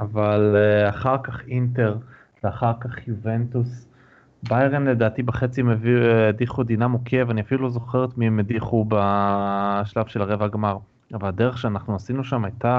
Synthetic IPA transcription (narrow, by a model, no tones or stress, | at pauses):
avalaχaʁkaχinte̞ʁ | veaχaʁkaχjuve̞ntus | bajʁenle̞daːt̪ibeχe̞t͡simeviediχud̪inamokʰe̞vaniafilulozo̞χeʁetmiemediχuba | ʃlavʃelaʁevaaɡmaʁ | avaldeʁeχʃeanaχnuasinuʃamajta